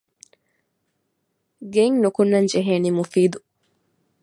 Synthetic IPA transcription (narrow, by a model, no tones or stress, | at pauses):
ɡeŋnukunːɐɲd͡ʒeɦeːnimufiːd̪u